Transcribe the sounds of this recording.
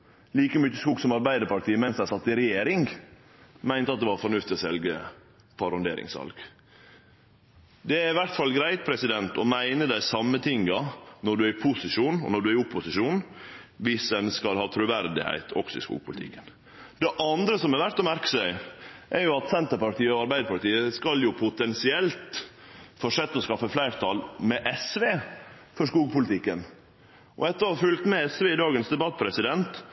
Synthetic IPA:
liːkəmyt͡ʃːəskuːɡsɔmɑɾbæɪd̪əɾpɑʈʰiːəmɛnsd̪æɪsɑt̪ːɪɾɛjeːɾɪŋ | mæɪnt̪əɑt̪̚d̪ɛʋɑːɾfɔɳʉft̪ɪɔsɛlɡə | pʰɑɾɔnd̪eːɾɪ̰ŋsʋɑ̰lɡ | d̪ɛæɾɪʋæɾʈ̪fɑlɡɾæɪt̪̚pʰɾɛsɪd̪ɛnt̪ɔmæɪnəd̪æɪsɑmːət̪ʰɪŋɡɑnɔɖʉæɾɪpʰʊsɪʂuːnɔ̰nɔɖʉæɾɪʊpːʊsɪʂuːn | ʋɪsɛnskɑlhɑːt̪ʰɾʉʋæɾd̪ɪ̰hæ̰ɪt̪ʰɔ̰ksɔɪ̰skṵːɡ̚pʊlɪt̪ʰɪ̰kːən | d̪ɛʔɑnd̪ɾəsɔmɛɾʋæʈ̪ɔmæɾkə̥sæɪʔɛɾjʊɑt̪sɛnt̪əɾpɑɾʈ̪iːəɔɑɾbæɪd̪əpɑʈ̪iːəskɑljʊpʰʊt̪ɛnsɪɛlt̪ | fɔʂɛt̪ːəɔskɑfːəflæɪɾt̪ʰɑlmɛʔɛsʋeːfɔʂkuːɡpʰʊlɪt̪ʰɪkːən | ʔɔ̰ɛt̪ːəhɑfʉlt̪mɛɛsʋeːɪd̪ɑːɡənsd̪ɛbɑt̪ːpʰɾɛsɪd̪ɛnt̪

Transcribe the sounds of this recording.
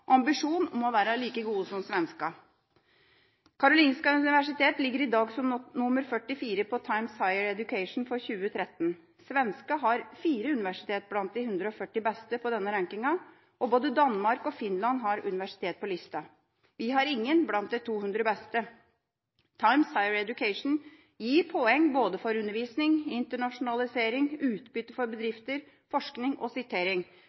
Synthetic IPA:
ɑmbɪʂuːnɔmɔʋæːɾɑliːkəɡuːəsɔmsʋɛnskɑ | kʰɑɾʊliːnskɑʉnɪʋæʂɪt̪ʰeːt̪lɪɡːəɾɪd̪ɑːɡsɔmnʊməɾfœʈːɪfiːɾəpʰɔt̪ʰɑɪmsɑɪəɾɛd̪ʉkʰɛɪʂn̩fɔɾçʉːət̪ʰɾɛt̪ːn | sʋɛnskɑɦɑɾfiːɾəʉnɪʋæʂɪ̥t̪ʰeːt̪̚blɑnt̪̚d̪ɪhʉnd̪ɾəɔfœʈːɪbɛst̪əpʰɔd̪ɛnːəɾɑŋkɪŋɑ | ʔɔboːd̪əd̪ɑnmɑɾkɔfɪnlɑnɦɑɾʉ̰nɪʋæʂɪ̥t̪ʰeːt̪̚pɔlɪst̪ɑ | ʋɪɦɑɾɪŋːənblɑnt̪̚d̪ɛt̪ʰuːhʉnd̪ɾəbɛst̪ə | t̪ʰɑɪmsɑɪəɾɛd̪jʉkʰɛɪʂn̩ | jiːɾpʰɔɛŋːboːd̪əfɔɾʉnːəɾʋiːsnɪŋɪnt̪əɳɑʂʊnɑlɪseːɾɪŋʉːt̪bʏt̪ːəfɔɾbəd̪ɾɪft̪əɾ | fɔʂknɪŋʔɔsɪt̪ʰeːɾɪŋ

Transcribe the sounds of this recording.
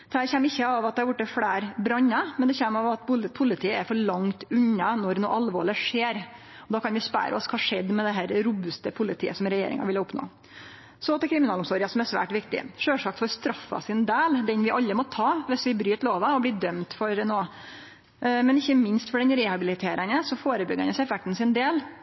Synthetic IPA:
d̪ɛæɾçɛmːɪçːəɑʋɑt̪̚d̪ɛhɑɾʋʊʈːəfɽæːɾbɾɑɲːɑmɛnd̪ɛçɛmːɑʋɑt̪bʊlpʰʊlɪt̪ʰiːəɛɾfɔɭɑŋt̪ʉɲːɑnɔɾno̰ːʔɑlʋo̰ːɭəʂeːɾ | ɔd̪ɑːkɑnʋɪspæ̰ːɾə̰ɔ̰skhɑʂɛd̪ːmɛd̪ɛɦæːɾɾuːbʉst̪əpʰʊlɪt̪ʰiːəsɔmɾɛjḛːɾɪ̰ŋɑ̰ʋɪlɑʊpno̰ː | sɔɑt̪ːɛkʰɾɪmɪnɑːlʊmsoːɾɪəsɔmæɾsʋæ̰ːʈʋɪkt̪ɪ̰ʂøːʂɑkt̪fɔɾst̪ɾɑfːɑ̰sɪnd̪eːld̪ɛnʋɪʔɑlːəmɔt̪ʰɑːʋɪsʋɪbɾyːt̪loːʋɑɔbliːd̪œmt̪fɔɾnoː | mɛnɪçːəmɪnst̪fɔɖɛnɾɛhɑbɪlɪt̪ʰeːɾʔənəsɔfoːɾəbʏɡːəɑ̰nɔsɛfɛk̚t̪n̩sɪnd̪eːl

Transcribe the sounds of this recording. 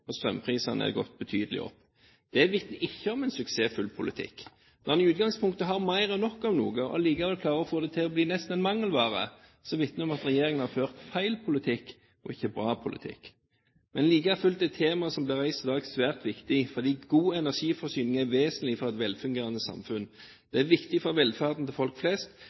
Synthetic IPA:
ɔst̪ɾʁœmpʰʁiːsɑnə̰æ̰ɡɔt̪̚ːbət̪ʰyːd̪əlɪ̰ɔ̰pː | d̪̥ɛʋɪt̪nəɪçːəɔmɛnsʉkseːfʉlpʰʊlɪt̪ʰɪ̰kː | nɔʁnɪʉːt̪̚ɡɑŋspʰʊŋkt̪əɦɑʁmæɪʁɔnɔkːɑʋnuːɡəɔ̰liːkɑʋɛɔkʰlɑːʁəɔfoːd̪ɛt̪ʰɪɔbliːnɛst̪nɛnmɑŋːəlʋɑːʁə̰ | sɔʋɪt̪nəɔmɑt̪ɾɛjeːɾɪŋənhɑføːʁt̪fæɪlpʰʊlɪt̪ʰɪkː | ɔ̰ɪçːəbɾɑːpʰʊlɪ̰t̪ʰɪ̰kː | mɛnliːkəæɾfʉlt̪ɛɪt̪ʰeːmɑsɔmb̪lɪʁæɪst̪ɪd̪ɑːɡsʋæːʁt̪ʋɪkt̪ɪfɔʁd̪iːɡuːɛnæʁʂiːfɔʁsyːnɪŋæɾʋeːsənlɪfɔʁɛt̪ʋɛlfʉŋɡeːʁɑnəsɑ̰mfʉn | d̪̥ɛæʋɪkt̪ɪfɔɾʋɛlfæʁd̪n̩t̪ʰɪlfɔlkflɛst̪

